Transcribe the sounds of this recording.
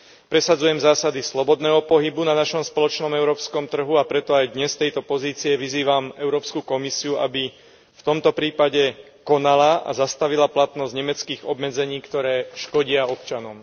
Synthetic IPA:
pɾɛsad͡zujɛmzaːsad̪islɔbɔd̪nɛːɦɔpɔɦibunanaʃɔmspɔlɔt͡ʃnɔmɛʊɾɔːpskɔmt̪r̩ɦuapɾɛt̪ɔajd̪ɲɛst̪ɛjt̪ɔpɔziːt͡siɛʋiziːʋamɛʊɾɔːpskukɔmisiuabi | ft̪ɔmt̪ɔpɾiːpaɟɛ | kɔnalaʔa̰zast̪aʋilaplat̪nɔzɟɲɛmɛt͡skiːɣɔbmɛd͡zɛɲiːkt̪ɔɾɛːʃkɔɟɪaɔpt͡ʃanɔm

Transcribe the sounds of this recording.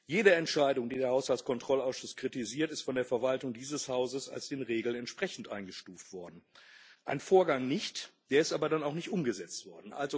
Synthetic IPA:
jeːɾəɛntʃaɪdʊŋdiːdeːɐhaʊshalt͡skʰɔntʁ̥ɔlaʊsʃʊskʁ̥itiziːɐtɪstfɔndeːɐfɛɐvaltʊŋdiːzəshaʊzəsa̰lsd̥eːnʁeːɡl̩nɛntʃpʁ̥ɛçn̩tʔaɪnɡəʃtuːftv̥ɔɐdn̩ʔa̰ɪnfoːɐɡaŋnɪçtd̥eːɐɪstaːbɐdanaʊxnɪçtʔʊmɡəzɛt͡stv̥ɔɐdn̩ʔa̰lzo

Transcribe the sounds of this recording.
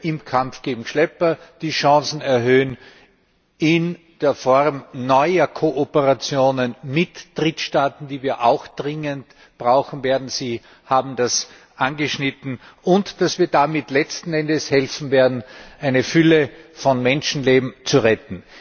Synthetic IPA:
ʔɪmkʰamfɡ̥eːɡŋ̩ʃlɛpɐd̥iːʃɑ̃ːsn̩ɛɐɦøːən | ɪn | d̥eːɐfɔʁmnɔʏɐkʰoʔopəʁat͡sjoːnənmɪtd̥ʁɪtʃtaːtn̩d̥iːviːɐʔaʊxd̥ʁɪŋənt | b̥ʁaʊxn̩veːɐdn̩ziː | haːbm̩d̥as | ʔanɡəʃnɪtn̩ʊntd̥asv̥iːɐdamɪtlɛt͡stn̩ɛndəshɛlfn̩veːɐdn̩ʔaɪnəfʏləfɔnmɛnʃn̩leːbm̩t͡suʁɛtn̩

